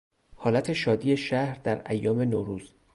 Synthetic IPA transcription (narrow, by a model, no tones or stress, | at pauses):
hɒːlæt̪ʰe̞ʃɒːd̪iːeʃæhɾd̪æɾæjːɒːme̞noːɾuːz̥